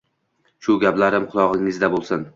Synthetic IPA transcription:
ʃʊɡʲaplaɾɪmqʰʊlˠɒʁɪŋɪzd̪abolˠsɪn

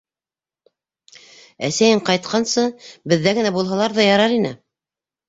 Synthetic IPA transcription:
æsæjɘɴqɑjt̪̚qʰɑnsɤbɘ̆ðːæɡɘ̆næbulˠɦɑlˠɑɾðɑjɑɾɑɾinɘ̰

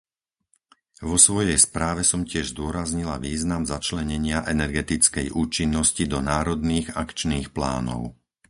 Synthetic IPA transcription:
ʋɔsʋɔjɛjspɾaːʋɛsɔmcɪɛʒzd̪ʊɔɾazɲila̰ʋiːznamzat͡ʃlɛɲɛɲɪaʔɛnɛɾɡɛt̪it͡skɛjʔuːt͡ʃinːɔscid̪ɔnaːɾɔd̪niːɣakt͡ʃniːxpla̰ːnɔ̰ʊ

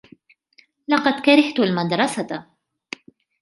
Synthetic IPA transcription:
lɑqɑd̪kaɾɑht̪ʊlmad̪ɾˤɑsa

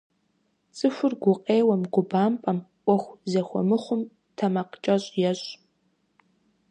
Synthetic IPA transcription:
t͡sʼɨxʷʊrɡʷʊqʼeːwɐmɡʷʊbaːmpʼɐmʔʷɔxʷzɐxʷɔ̰mɨχʷʊm | tʰɐmɐqt͡ʃʼɐɕʼjɛɕʼ

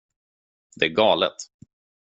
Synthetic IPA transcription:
d̪̥ɛæɾɡɑːlə̰t̪

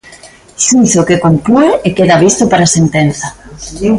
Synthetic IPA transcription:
ʃuʃokekont̪ueekeðaβist̪opaɾasent̪enθa

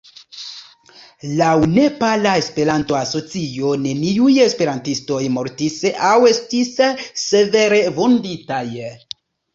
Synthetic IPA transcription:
lawne̞palae̞spe̞ɾanto̞aso̞t͡sio̞ne̞niuje̞spe̞ɾantisto̞jmo̞ɾtisawe̞stisːe̞ve̞ɾe̞vo̞nditaj

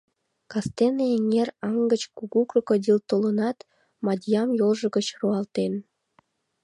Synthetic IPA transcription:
kɑst̪eneeŋerɑŋɡət͡ɕkuɣukrokod̪ʲilt̪olənɑt̪ | mɑd̪ʲjɑmjolʒə̆ɣət͡ɕruɑlt̪en

